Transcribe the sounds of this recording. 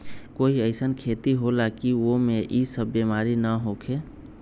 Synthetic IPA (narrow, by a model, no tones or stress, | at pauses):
koiəɪsənkʰet̪iɦolakiomeʔisəbːemaɾinəɦokʰe